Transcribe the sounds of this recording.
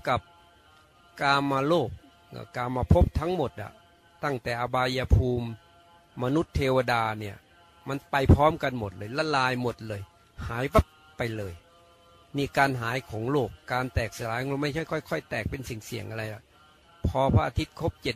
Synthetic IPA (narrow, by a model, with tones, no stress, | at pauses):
ka˨˩p̚ | kaː˧maː˧loː˥˩k̚ | ʔɯ̰˧˩kaː˧mːaː˧pʰo˦˥p̚t̪ʰa˦˥ŋmo˨˩t̪̚la̰˨˩ | t̪a˥˩ŋt̪ɛː˨˩ʔa˧baː˧ja˧pʰuː˧mː | a˧nu˦˥t̪ʰːeː˧wa˧daː˧ni˧˥˩ɐ | ma˧˨npa˧jpʰɔː˦˥mka˧nmo˨˩t̪̚lɤː˧jla˧˩laː˧jmo˨˩t̪̚lɤː˧j | haː˩˦jba˦˥p̚ | pa˧jlɤː˧j | niː˧˩kaː˧nɦaː˩˦jkʰɔː˩˦ŋloː˥˩kːaː˧nt̪ɛː˨˩k̚sa˧laː˨˦ŋo˧˦ma˥˩jkʰɔ˥˩jkʰɔ˧˥˩jkʰɔ˥˩jt̪ɛː˨˩k̚pe˧nsi˨˩ŋsi˨˩əŋʔa˧ɾa˧jla˨˩ʔ | pʰɔː˧pʰa˦˧ʔa˧t̪ʰi˦˥t̪̚kʰo˦˥p̚t͡ɕe˨˩t̪̚